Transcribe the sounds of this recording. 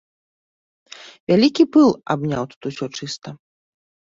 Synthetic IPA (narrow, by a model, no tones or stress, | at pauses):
vʲalʲikʲipɨlˠa̰bnʲawt̪u̥t̪usʲɔt͡ʂɨst̪ɐ